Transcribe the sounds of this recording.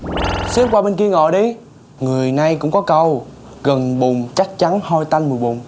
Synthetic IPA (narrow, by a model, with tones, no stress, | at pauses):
si˦˥p̚kwaː˧ɓe˧nki˧əŋɔ̰˧˨ɗi˨˦ | ŋɨ˨˩əjna˨˧jkʊ̰˧˥ŋ͡mkɔ˨˦kə˧w | ɣə˨˩nɓʊ˨˩ŋ͡mt͡ɕa˦˥k̚t͡ɕa˨˦nhɔ˧jt̪a˧jnmɨ˨˩əjɓʊ˨˩ŋ͡m